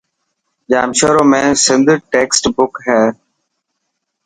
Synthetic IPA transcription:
d͡ʒaːmʃoːɾoːmẽːsɪ̃nd̪ʈeːksʈbʊkɦɛː

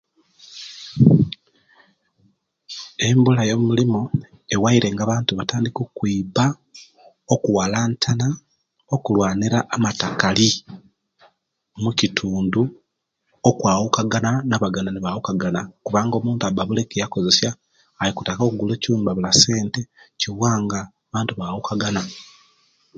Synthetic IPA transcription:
e̞mbulajomumulimu | ewaiɾe̞ŋɡaβaːntuβataːndikokwiba | okuwalaːntʰana | o̞kulwaːniɾaʔːmatakali | mucitʰuːndu | okwaːwukaɡananaβaɡananiβawukaɡanakuβaːŋɡo̞muːntabaβulekejako̞ze̞sjaː | jikutako̞kuɡuleːciuːmbaβulase̞ːnte̞ciβwaːŋɡaːβaːntuβawukaɡana

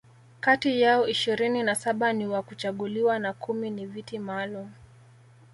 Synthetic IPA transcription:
katijaɔiʃiɾininasaɓaniwakut͡ʃaɠuliwanakʰuminivitimalum̩

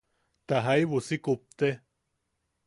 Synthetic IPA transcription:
t̪aɦaiβusikup̚t̪e

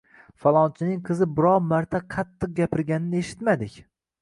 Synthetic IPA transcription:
falˠɒnt͡ʃʰɪnɪŋqʰɨzɪbɪɾɒwmaɾt̪ʰaqʰɑt̪ːɨq̚ɡʲapɪɾɡʲanɪnɪeʃɪ̥t̪mad̪ɪkʲ

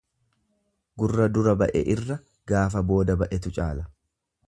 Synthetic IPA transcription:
ɡʊrːɐd̪ʊɾɐbɐʔɛ̰ʔɪrːɐ | ɡaːfɐbo̞ːd̪ɐbɐʔɛt̪ʊt͡ʃʼaːlɐ

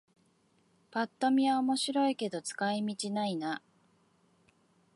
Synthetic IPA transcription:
pat̪ːo̞mʲiβaomo̞ɕiɾo̞ike̞d̪o̞t͡sɨ̥kaimʲit͡ɕinaina

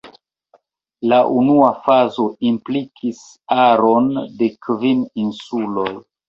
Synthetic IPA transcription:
laʔunuafazo̞implikʰis | aɾo̞nde̞kvininsuloj

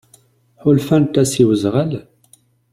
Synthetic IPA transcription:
ħʊlfænt̪ːæsiwəzʁəl

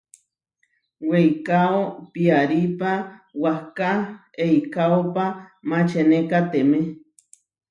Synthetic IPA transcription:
wejkaopiaɾipawahka | eikaopamat͡ʃenekat̪eme

